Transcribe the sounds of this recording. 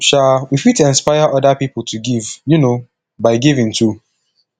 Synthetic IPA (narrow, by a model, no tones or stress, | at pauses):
ʃalwifitɛ̃nspaɪaʔɔdapipl̩ˠtʰuɡivjuno | baɪɡivĩŋtʰu